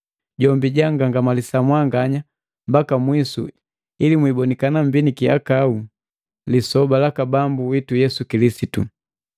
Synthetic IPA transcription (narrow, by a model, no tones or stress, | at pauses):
ɟɔmbiɟaŋɡaŋɡamalisamwaŋɡaɲa | mbakamwisṵ | ilimwibɔnikanambinikia̰kau | lisɔbalakabambuwitujɛsukilisitṵ